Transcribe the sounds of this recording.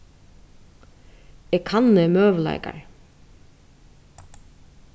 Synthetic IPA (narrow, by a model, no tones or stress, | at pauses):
ɛkʰanːɛmøːʋəla̰ɪka̰ɹ